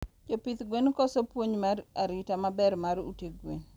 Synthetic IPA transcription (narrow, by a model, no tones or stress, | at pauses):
d͡ʒopit̪ɡwenkɔsopwoɲmaraɾɪtamabɛrmaɾṵteɡwen